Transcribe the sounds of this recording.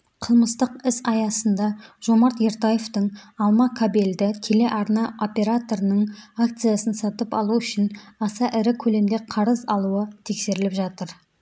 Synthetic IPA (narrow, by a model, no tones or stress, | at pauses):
qʰəlˠməst̪əqɪsɑjɑsənd̪ɑʒ̥o̞mɑɾt̪je̞ɾt̪aje̞ft̪əɴɑlˠmɑkʰabeld̪ɪkʲʰe̞le̞ʔɑɾnɑʔo̞pʲe̞ɾat̪o̞ɾənəɴak̚t̪sɨjasənsɑt̪əpɑ̰lˠuʏʃɪnɑsɑʔɪɾɪkʲʰɵle̞md̪eqʰɑɾəzɑlˠuət̪ʰe̞kse̞ɾɪlɪpʒɑt̪əɾ